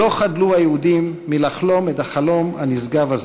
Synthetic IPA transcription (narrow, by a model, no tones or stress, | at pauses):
o̞χadluhajeudimːilaχlo̞metaχalo̞manizɡavaz